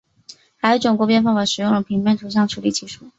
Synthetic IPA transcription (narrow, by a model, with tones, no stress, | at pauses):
xa˧˥ɪjo˧˥ʈ͡ʂʊ˨˩ŋkwɔ˧˥pjɛ˥˧nfɑ˥˩ŋpa˧˩ʂɻ̩˨˩jʊ˥˩ŋd̪ə˩pʰi˧˥ŋpjɛ˥˩nt̪ʰu˧˥ɕ̬ɑ˥˩ŋʈ͡ʂʰu˧˥li˨˩t͡ɕʰi˧˥ʂu˥˩